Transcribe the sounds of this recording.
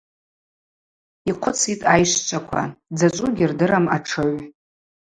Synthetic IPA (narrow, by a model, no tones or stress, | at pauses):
iqʷʰʊt͡sʰitʼajʃt͡ʃʷʰʼakʷʰa̰d͡zat͡ʃʷʼʊɡʲirdɨɾamaʈ͡ʂʰɨɥ